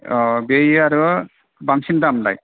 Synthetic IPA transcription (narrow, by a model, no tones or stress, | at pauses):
bejaɾu | baŋsindamla̰j